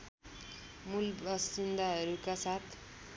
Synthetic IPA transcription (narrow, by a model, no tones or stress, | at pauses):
mulbʌsind̪aɦʌɾukasat̪ʰ